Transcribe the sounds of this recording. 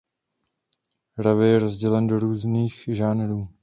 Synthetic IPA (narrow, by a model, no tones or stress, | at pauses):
ɾavɪjɛɾozɟɛlɛndo̞ɾuːzniːxʒaːnɾuː